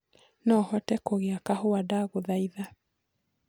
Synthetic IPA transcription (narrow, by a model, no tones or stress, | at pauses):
nɔhɔtɛkoɣeakahoadaɣoðaiða